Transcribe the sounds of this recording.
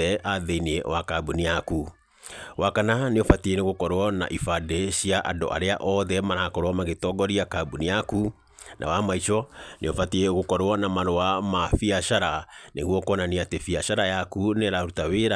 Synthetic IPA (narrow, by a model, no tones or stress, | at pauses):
ɛʔaðeiniewakabuniaku | wakananeofatieneɣokɔɾwɔna̰ʔifadeɕiaʔado̰ʔa̰ɾeaʔɔðɛmaɾakɔɾowɔmaɣetɔɡɔɾiakabunijaku | nʔa̰wamait͡ʃɔneofatieɣokɔɾwɔnamaɾoamafiaɕaɾanʔeɣwɔkɔnaniatefiaʃaɾajakuneɾaɾutaweɾa